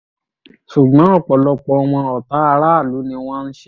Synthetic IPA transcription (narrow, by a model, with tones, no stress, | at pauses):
ʃu˨ɡ͡bã˨˦ɔ˦˨k͡pɔ˨˦lɔ˧k͡pɔ˧˦˧w̃ɔ̃˧ɔ˨ta˨˦a˧ɾa˦˨lu˨˦nĩ˧w̃ɔ̃˦n̩˦ʃe˦